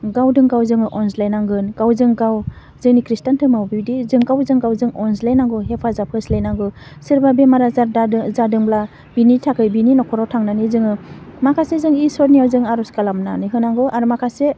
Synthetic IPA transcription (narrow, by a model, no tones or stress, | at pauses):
ɡawdɯŋɡawzɯŋɯʔɔnslajnaŋɡɯnɡ̥awzɯŋɡaw | zɯŋnikɾistantʰɯmawbiwdizɯŋɡawzɯŋɡawzɯŋɔnslajnaŋɡɯɦepʰazapʰɯslajnaŋɡɯsiɾbabemaɾazadaɯzadɯŋbla | b̥initʰakʰɯjbininɔkʰɔɾɔtʰaŋnanizɯŋɯmakʰasezɯŋisɔɾnijawzɯŋaɾɔskalamnaniɦɯnaŋɡɯʔaɾɯmakʰase